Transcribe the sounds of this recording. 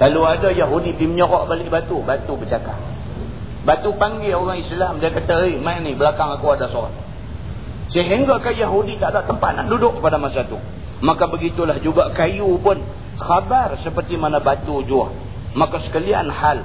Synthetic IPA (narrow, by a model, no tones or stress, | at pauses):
kaluadajaɦudipiməɲɔɾɔʔbalɪʔbat̪ubat̪ubət͡ʃaka̰ʔ | bat̪upaŋɡɪoɾaŋislamdiakat̪aimanibəlakaŋakawadasoɾa̰t | səɦiŋɡakanjaɦudit̪aʔdaʔt̪əmpa̰t̪̚na̰ʔdudʊʔkəpadamasat̪u | makabəɡit̪ulahd͡ʒuɡakajupʊn | xabarsəpərt̪imanabat̪ud͡ʒua | makasə̥kalia̰nhal